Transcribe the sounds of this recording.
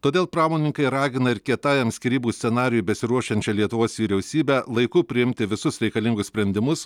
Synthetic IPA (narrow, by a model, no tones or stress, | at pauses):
t̪oːd̪ʲeːlˠpɾɑːmoːnʲɪŋkɐɪɾɑːɡʲɪnɐɪɾkʲiɛt̪ɑːjɐmʲsʲkʲɪɾʲiːbuːsʲsʲɛnɑːɾʲɪjuːbʲɛsʲɪɾuɔʃʲɛnʲt͡ʃʲɛlʲiɛt̪ʊʋoːsʋʲiːɾʲɛʊsʲiːbʲæːlˠɐɪkʊpʲɾʲɪɪmʲt̪ʲɪʋʲɪsʊsɾʲɛɪkɐlʲɪŋɡʊsʲsʲpʲɾʲɛnʲd̪ʲɪmʊs